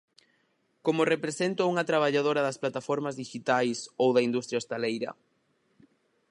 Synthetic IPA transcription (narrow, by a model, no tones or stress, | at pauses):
komorepɾesent̪ouŋɐt̪ɾaβ̞aʎaðoɾɐðɐsplat̪afɔɾmazðiʃit̪ajsowðɐind̪ust̪ɾjaest̪alejɾɐ̰